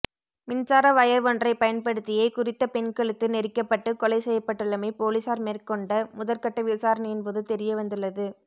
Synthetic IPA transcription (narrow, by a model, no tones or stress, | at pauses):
mɪnt͡ʃaːɾɐʋɐjɐɾʋɔndrɐɪpɐjɐnpɐɽɯt̪ːɪjɐɪkʊrɪt̪ːɐpɛnkɐɭɯt̪ːɯnɛɾɪkːɐpːɐʈːɯkɔlɐɪsɛjːɐpːɐʈːɯɭːɐmɐɪpoːlisaːɾmeːrkɔɳɖɐmʊðɐlkɐʈːɐʋɪsaːɾɐnɪjɪnpoːðɯt̪ɛɾɪjɐʋɐnd̪ɯɭːɐðɯ